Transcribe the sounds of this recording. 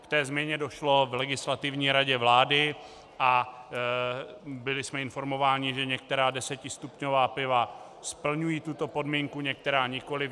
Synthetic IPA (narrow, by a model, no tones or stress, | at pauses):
kt̪ɛːzmjɛɲɛdo̞ʃlo̞vlɛɡɪslat̪ɪvɲiːɾaɟɛvlaːdɪ | ʔa | bɪlɪsmɛɪnfo̞ɾmo̞vaːɲɪʒɛɲɛk̚t̪ɛɾaːdɛsɛcɪst̪upɲo̞vaːpɪva | spl̩ɲujiːt̪ut̪o̞po̞dmiːŋkuɲɛk̚t̪ɛɾaːɲɪko̞lɪ